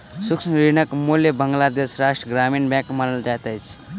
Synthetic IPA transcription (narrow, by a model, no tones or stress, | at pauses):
suksnɾinəkmuljəbəŋɡlad̪esɾaʂʈɾəɡɾamiːnbãkmanəld͡ʒat̪əjt͡s